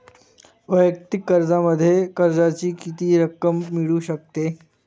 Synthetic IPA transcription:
ʋəjək̚t̪ɪkːəɾd͡zaməd̪ʱːjekəɾd͡zat͡ɕiːkit̪iːɾəkəmːiɭuːɕək̚t̪e

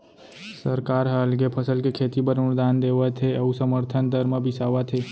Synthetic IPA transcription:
səɾkaɾɦəlɡepʰəsəlkekʰet̪ibəɾuɾd̪and̪eʋat̪ʰeəusəməɾt̪ʰənd̪əɾməbisaʋat̪ʰe

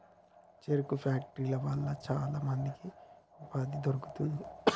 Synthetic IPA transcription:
t͡ʃeɾukupʰaːk̚ʈɾilɐʋɐɭːɐt͡ʃaːlaːmɐnd̪iki | upad̪id̪oɾuku̥t̪und̪i

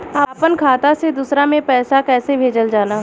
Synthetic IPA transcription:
aːpənkʰaːt̪ased̪uːsɾamẽpɛːsakɛːsebʱeːd͡ʒəld͡ʒaːlaː

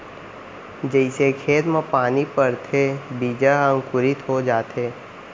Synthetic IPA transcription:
d͡ʒəɪsekʰeːt̪mãpaːnipəɾt̪ʰebiːd͡ʒaə̃ŋkʊɾɪt̪ɦod͡ʒaːt̪ɦeː

